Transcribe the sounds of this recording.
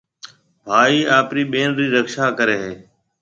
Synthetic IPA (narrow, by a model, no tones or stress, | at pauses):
bʱaːiːaːpɾiːɓeːnɾiːɾəkʃaːkəɾeːɦeː